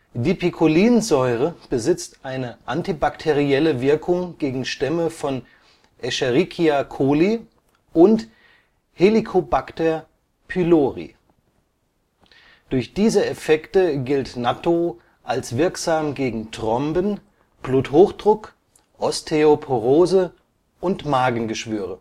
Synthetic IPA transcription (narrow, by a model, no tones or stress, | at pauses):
diːpikʰoliːnzɔʏʁəb̥əzɪt͡stʔaɪnəʔantibaktʰeʁiɛləvɪɐkʰʊŋɡ̥eːɡŋ̩ʃtɛməfɔn | ʔɛʃɛʁikʰiakʰoːli | ʔʊnt | helikʰobaktɛɐ | pʰyloːʁḭ | d̥ʊɐçd̥iːzəɛfɛktəɡɪltnatʰo | ʔalsv̥ɪɐkz̥aːmɡeːɡŋ̩tʁ̥ɔmbən | b̥luːthoːxd̥ʁʊk | ʔɔstʰeopʰoʁoːzə | ʔʊntmaːɡŋ̩ɡəʃv̥yːʁ̞ə